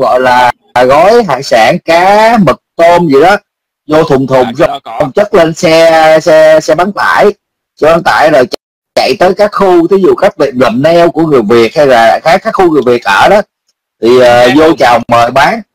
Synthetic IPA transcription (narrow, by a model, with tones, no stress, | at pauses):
ɣɔ̰˧˨jlaː˨˩˨ | ɣɔ˨˦jɦa̰ː˧˨ŋsaː˧˩ŋkaː˨˦mɨ˨˩k̚t̪o˧mzi˨˩ɗɔ˨˦ | zo˧t̪ʰʊ˨˩ŋ͡mt̪ʰʊ˨˩ŋ͡msɔ˧˩wŋ͡mt͡ɕə˦˥t̚le˧nsɛ˧sɛ˧sɛ˧ɓa˨˦nt̪a̰ː˧˩˨j | sɛ˧ɓaː˨˦nt̪a̰ː˧˩jzo˨˩jt͡ɕ | t͡ɕa̰˧˨jt̪əː˨˦jkaː˦˥k̚xu˧t̪ʰi˨˦zṵ˧˨kaː˦˥k̚vḭ˧˨ənlə˨˩mnɛ˧wku˧˩əŋɨ˨˩əjvi˨˩ət̚ha˧jlaː˨˩xaː˨˦˥kaː˦˥k̚xu˧ŋɨ˨˩əjvi˨˩ət̚ʔəː˧˩ɗɔ˨˦ | t̪ʰi˨˩əː˨˩zo˧t͡ɕa˨˩wŋ͡mməː˨˩jɓaː˨˦n